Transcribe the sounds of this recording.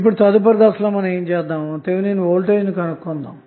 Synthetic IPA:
ip̬ːuɽut̪ɐd̪up̬ɐɾɡ̪aːsloːmɐnɐmeːnt͡ʃɛːd̪aːmt̪eːʋuneːnuoːlʈeːd͡ʒnikɐnɐkːond̪aːm

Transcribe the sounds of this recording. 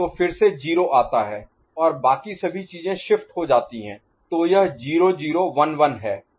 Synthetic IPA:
t̪oːfɪɾsed͡ʒiːɾoʔaːt̪aɦɛː | ɔːɾbaːkisɐbʱit͡ʃiːzẽʃɪfʈɦod͡ʒaːt̪iɦɛ̰̃ː | t̪oːjɐɦd͡ʒiːɾod͡ʒiːɾoʋɐnʋɐnɦɛː

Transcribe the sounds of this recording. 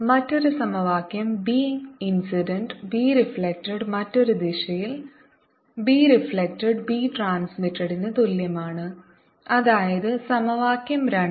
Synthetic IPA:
mɐtːo̞ɾusɐmɐʋaːkjɐmbiːinsiɖɐɳɖbiːɾifɭek̚tɐɽmɐtːo̞ɾud̪iɕɐjil | biːɾifɭek̚tɐɖbiːʈraːnsmitːɐɽinːɐt̪uljɐmaːɳɨ | ɐðaːjɐðɨsɐmɐʋaːkjɐmɾɐɳ

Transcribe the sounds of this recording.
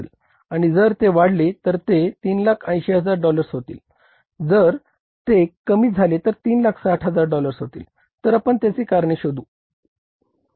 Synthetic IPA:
l | aɽ̃id͡zəɾt̪eʋaɽlet̪əɾt̪et̪iːnlakʰə̃jɕeɦəd͡zaɾɖɔləɾsɦot̪ḭːl | d͡zəɾ | t̪ekəmiːd͡zʱalet̪əɾt̪iːnlakʰsaʈʰɦəd͡zaɾɖɔləɾsɦot̪ḭːl | t̪əɾapəɳt̪jat͡siːkaɾɳiɕod̪uː

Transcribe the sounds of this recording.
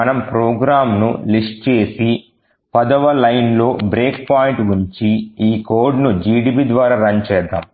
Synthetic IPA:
ɐnɐmpɾoːɡɾaːmnṵlisʈ̚t͡ʃe̞ːsi | pɐd̪ɐʋɐlɐjnlo̞ːbɾeːk̚paːjiɳʈʋuɲt͡ʃiiːkoːɾɖnud͡ʒiːɖiːpid̪ʋaːɾaːɾɐɲt͡ʃɛːd̪ːa̰ːm

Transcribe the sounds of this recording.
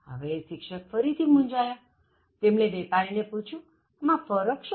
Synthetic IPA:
ə̰ʋeːʃikʃək̚fəɾit̪ʰimũnd͡ʒaja | t̪emnebepaɾineput͡ʃʰũ | amãfəɾəkʃ

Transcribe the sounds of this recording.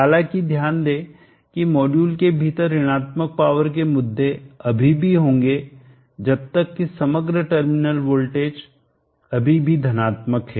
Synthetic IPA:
aːlãkid̪ʱjaːnd̪eː | kimɔːɖjuːlkebʱiːt̪əɾɪɽ̃aːt̪mək̚paːʋəɾk̬emʊd̪ʱːeɐbʱibʱiɦõːŋɡe | d͡ʒɐb̚t̪əkːisɐməɡɾəʈəɾmɪnəlʋoːlʈeːd͡ʒ | ɐbʱibʱid̪ʱɐnaːt̪məkɦɛː

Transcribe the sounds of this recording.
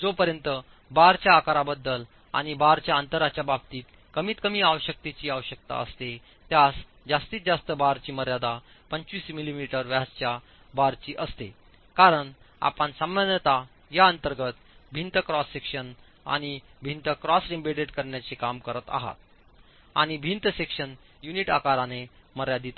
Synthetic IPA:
d͡zopəɾjənt̪ə | baɾt͡ɕjaːkaɾabəd̪ːəl | a̰ɽ̃ibaɾt͡ɕjaənt̪əɾat͡ɕjabab̚t̪iːt̪ | kəmiːt̪kəmiːaʋəɕək̚t̪et͡ɕiːaʋəɕək̚t̪a̰əst̪e | t̪jas | d͡zast̪iːt̪d͡zast̪əbaɾt͡ɕiːməɾjad̪a | pəɲt͡ɕʋiːsmilimiʈəɾʋjast͡ɕja | baɾt͡ɕiːʔəst̪e | kaɾəɳ | a̰pənsəmːənət̪a | jaənt̪əɾɡət̪ | bʱint̪əkɾɔsːekʂən | a̰ɽ̃ibʱint̪əkɾɔsɾimbeɽeʈkəɾɳjat͡sekamkəɾət̪a̰ɦa̰t̪̚ | a̰ɽ̃ibʱint̪əsekʂən | juniʈa̰kaɾaneməɾjad̪iːt̪

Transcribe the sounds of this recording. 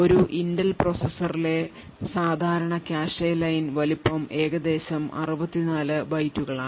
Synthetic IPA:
o̞ɾuʔinɖɐlprosesɐrile̞ | saːd̪ʱaːɾɐɳɐkjaːʂejlɐjnʋɐlipːɐme̞ːɣɐd̪e̞ːɕɐmɐ̰rubɐt̪ːinaːlɨbɐjtːuɣɐɭaː

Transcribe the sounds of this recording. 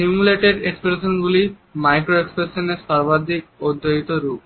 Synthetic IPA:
ssimuleʈeɖekspɾeʃonɡuli | majkɾoekspɾeʃoneɾʃaɾbad̪ʱik̚od̪ʱːoɦit̪oɾup̚

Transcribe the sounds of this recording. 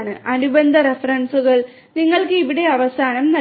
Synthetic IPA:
ɳɨʔɐnubɐnd̪ʱɐɾefɐrɐɳsuɣɐɭ | niŋːɐɭkɨiʋiɽe̞ɐʋɐsaːnɐmnɐ

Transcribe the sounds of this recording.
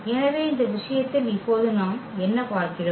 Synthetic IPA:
ɛnɐʋeːɪnd̪ɐʋɪʂɐjɐt̪ːɪlɪpːoːðɯnaːmɛnːɐpaːɾkɪɾɐ

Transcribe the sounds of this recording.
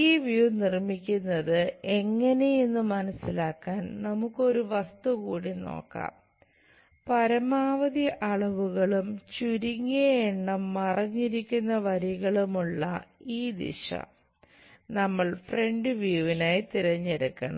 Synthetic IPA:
iːʋjunirmikʲːunːɐðɨe̞ŋːɐne̞jenːumɐnɐsːilaːkːaːnnɐmukːo̞ɾuʋɐst̪ukuːɽino̰ːkːa̰ːm | pɐɾɐmaːʋɐðiʔɐɭɐʋuɣɐɭumt͡ɕuɾiŋːejeɳːɐmːɐrɐɲːiɾikʲːunːɐʋɐɾiɣɐɭumuɭːɐ̰iːd̪ḭʂɐ̰ | nɐmːɐɭfre̞ɳɖɨʋjuʋinaːjt̪iɾɐɲːeɽukːɐ̰ɳɐ̰m

